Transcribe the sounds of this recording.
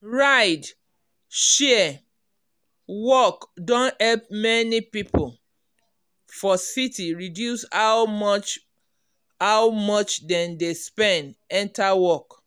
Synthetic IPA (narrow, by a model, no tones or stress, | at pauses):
ɹaɪd | ʃɛ | wɔkdõnhɛlp̚mɛnipipo | fɔsitiɹidjusamɔt͡ʃ | awmɔt͡ʃdɛ̃ndespɛ̃ndɛ̃ntawɔk